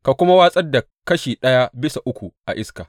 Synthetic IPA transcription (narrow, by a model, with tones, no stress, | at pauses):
ka˨kʷʊ˦ma˦waː˦sʼɐ˦da˨ | kɐ˦ʃiː˨ɗɐ˦ja˦bɪ˦sa˨ʔʊ˦kʷu˨ʔa̰˨ʔɪ˦ska˨